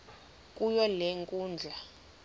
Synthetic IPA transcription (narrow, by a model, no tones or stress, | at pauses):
kʼujɔleŋkʼuːnd͡ɮʱa